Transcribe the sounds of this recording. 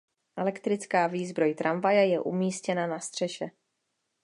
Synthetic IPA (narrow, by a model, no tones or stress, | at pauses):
ʔɛlɛkt̪ɾɪt͡skaːviːzbɾo̞jt̪ɾʔaɱvajɛjɛʔumiːscɛnanast̪r̝̥ɛʃɛ